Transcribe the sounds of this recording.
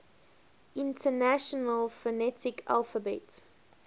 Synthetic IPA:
ɪ̃ntʰənaʃɔnəlˠfənɛtʰɪkʰa̰lˠfəbɛt

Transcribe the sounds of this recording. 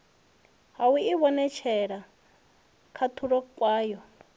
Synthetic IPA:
ɦawiiβɔnɛt͡ʃʰɛɺa | kʰatʰuɺɔkʼwaːjɔ

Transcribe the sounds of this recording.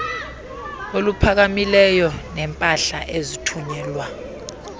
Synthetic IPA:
olupʰak̬amilɛjɔnɛmpʼaɬaʔezitʰuɲɛːlwa

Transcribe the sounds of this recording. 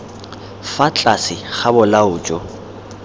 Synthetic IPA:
fat͡ɬʼasɪχabʊlaʊːt͡ʃʼɔ

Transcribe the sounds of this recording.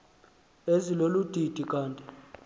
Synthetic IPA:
ezilolud̥ʱid̥ʱikʼaːntʼi

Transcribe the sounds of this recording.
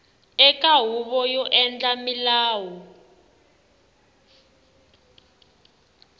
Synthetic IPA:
ɛkʼaɦuɓɔjɔʔɛnd͡ɮʼamilaːwɔ

